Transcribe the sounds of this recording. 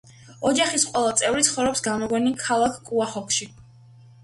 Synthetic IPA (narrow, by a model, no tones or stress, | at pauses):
ɔd͡ʒaχisqʼwɛlˠat̪sʼɛvɾit̪sʰχɔvɾɛpsɡamɔɡɔnikʰalˠakʰkʼuaχɔkʰʃi